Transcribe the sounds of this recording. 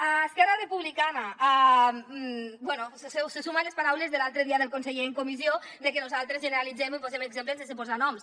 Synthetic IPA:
aːskɛɾarəpuβlikanaa | bwɛnusssəsumanləspaɾawlezðəlalˠt̪ɾəðiaðəlˠkonseʎeəŋkomizioðəkənuzalˠt̪ɾəzʒənəɾalid͡zɛmipozɛməɡzempləenzəsəpozanɔms

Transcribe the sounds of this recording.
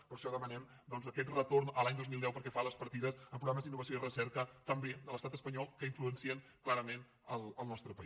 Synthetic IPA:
pəɾʃɔðəmənɛm | d̪ɔnzəkɛt̪rət̪ornəlaɲd̪ozmilˠd̪ɛwpəɾkɛfaləspəɾt̪iðəzəmpɾuɣɾaməzd̪inːuβəsioirəsɛɾkət̪əmbed̪ələst̪at̪əspəɲɔlˠkəiɱfluənsiənklaɾəmen | əlˠəlˠnɔst̪ɾəpəi

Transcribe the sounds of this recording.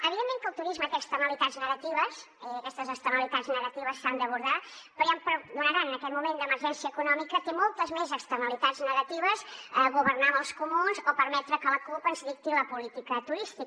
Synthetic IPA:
əβiðemːẽŋkəlˠt̪uɾizmək̪ɛst̪əməlit̪adznəɣət̪iβəs | ɛːkɛst̪əzəkst̪əməlit̪adznəɣət̪iβəsːand̪əβ̞uɾðapɾɔjampɾd̪unəɾanənəkɛt̪mumend̪əməɾʒɛnsiəːkunɔmikət̪emɔlˠt̪əzmezəkst̪ənəlit̪ad̪znəɣət̪iβ̞əzəɣuβəɾnaməlˠskumunzopəɾmɛt̪ɾəkələkulpənzðik̚t̪iləpulit̪ikət̪uɾist̪ik

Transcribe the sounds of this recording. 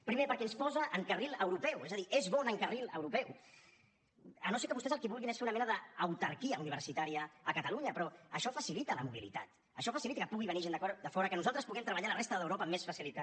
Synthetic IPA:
pɾimepəɾkɛnspɔzəʔəŋkəriləwɾupɛwezəðiʔezβɔnəŋkərilə̰wɾupɛw | ənosekəβust̪ɛzəlˠkiβulˠɣinesfeunɐmɛnəðəːwt̪ɐɾkiəuniβ̞ə̰ɾsit̪aɾiəːkət̪ɐluɲəpɾɔəʃɔfəsilit̪ələmuβ̞ḭlḭt̪at̪ | əʃɔfasilit̪akəpuɣ̞iβəniʒend̪əkɔɾd̪əfɔɾəkənuzalˠt̪ɾəspuɣɛmt̪ɾəβaʎalərest̪əðəwɾopəːmːesfasilit̪a

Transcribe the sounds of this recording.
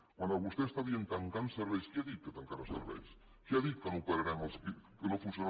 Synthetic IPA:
kwand̪oβust̪eest̪aβjent̪aŋkanseɾβejskeaðiket̪aŋkaɾasḛɾβḛjs | keaðit̪kenupaɾeɾaŋaskkenofuseɾ

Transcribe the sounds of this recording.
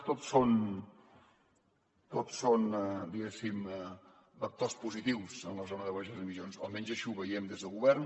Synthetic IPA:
t̪ot̪son | t̪ot̪sond̪iɣɛsim | bək̚t̪ospuzit̪iwsənləzonəðəβaʒəziβizonsa̰lˠmɛnzəʃuβəjɛmd̪ezðəlˠɣuβɛɾn

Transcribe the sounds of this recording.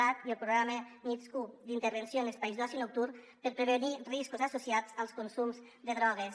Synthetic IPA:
at̪iəlˠpɾuɣɾaməniskud̪int̪əɾβensjonespaizðasjinuk̚t̪uɾ | pəɾpɾeβeniriskuzasusjat͡salˠskunsumz | d̪əðɾɔɣ̞es

